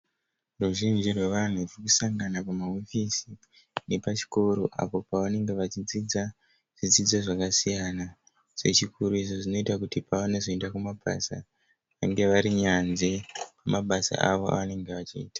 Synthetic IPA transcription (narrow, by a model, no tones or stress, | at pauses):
ruʒind͡ʒirwe̞ʋan̤urokusaŋɡanapamaofisi | ne̞pat͡ʃi̥koɾoʔa̰po̞paʋane̞ŋɡe̞ʋat͡ʃid͡zid͡za | ʐ̥id͡zid͡zaʐakasijana | se̞t͡ʃikʰuɾuizoʐino̞itakutipaaneʐoendakumaɓa̰sa̰ | ʋaŋɡe̞ʋaɾiɲanʐepamaɓasa̰aʋo̞a̰ʋane̞ŋɡe̞ʋat͡ʃiːtḁ